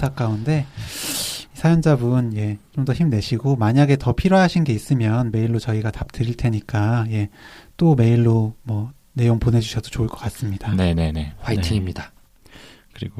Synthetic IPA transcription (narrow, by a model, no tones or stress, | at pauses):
sʰak͈aunde̞ | isʰajʌnd͡ʑabɯnje̞t͡ɕomdʌçimne̞ɕʰiɡomaɲaɡe̞tʌpʰiɾoɦaɕʰinɡe̞is͈ɯmjʌnme̞iɭːot͡ɕʌiɡatap̚tɯɾiɭtʰe̞ɲik͈aje̞t͈ome̞iɭːomwʌ | ne̞joŋpone̞d͡ʑuɕʰʌd̥ot͡ɕoɯɭk͈ʌk͈as͈ɯmɲid̥ane̞ne̞ne̞̰waitʰiŋimɲida | kɯɾiɡo